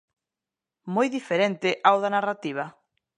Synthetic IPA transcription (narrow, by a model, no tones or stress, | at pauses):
mojðifeɾent̪ɪʔawðanarat̪iβ̞a